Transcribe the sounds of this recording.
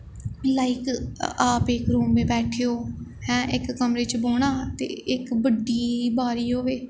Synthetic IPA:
laːikaːpeːkɾuːmːẽːbɛːʈʰeːoːhɛ̃ːʔɪkːəmɾeːt͡ʃboːɳaːt̪ḛːɪkbəɖiːbaːɾiːɦoːʋeː

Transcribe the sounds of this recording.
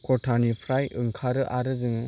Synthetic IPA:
kɔtʰanipʰɾajɯŋkʰaɾɯʔaɾɯdɯŋ

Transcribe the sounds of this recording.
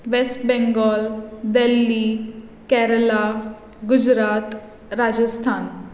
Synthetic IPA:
ʋesʈbɛ̃ŋɡɔld̪elːi | kɛɾla | ɡud͡ʑɾat̪ | ɾad͡ʑəst̪ʰan

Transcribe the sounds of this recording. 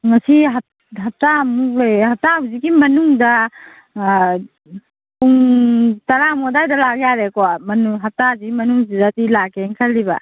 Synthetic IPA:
ŋɐsiɦɐ | ɦɐp̚tamuk̚lejhɐp̚taziɡimɐnuŋdɐ | puŋtɐɾamɔdajdɐlaɡejaɾekoamɐnuɦap̚taziɡimɐnuŋzidatilakeŋkʰalːiba̰

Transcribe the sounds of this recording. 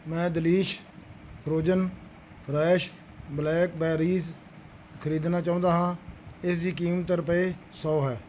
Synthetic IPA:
mɛ̃ːd̪əliːʃ | kʰɾoːd͡ʒən | pʰɾɛːʃ | blɛːkbɛːɾiːs | kʰəɾiːd̪naːt͡ʃãːnd̪aːɦãːɪsd̪iːkiːmət̪ːəɾəpeːsɔːɦɛː

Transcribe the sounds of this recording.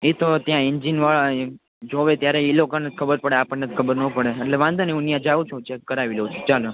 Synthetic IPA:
et̪ot̪jãind͡ʒinʋaɭa | d͡ʒoʋet̪jaɾeilokanət̪kʰəbəɾpəɽeapəɳnət̪kʰəbəɾnəpəɽeːʈleʋãnd̪ʱəneũnijãd͡ʒaʋũt͡ʃʰũt͡ʃekəɾaʋileut͡ʃʰut͡ʃalu

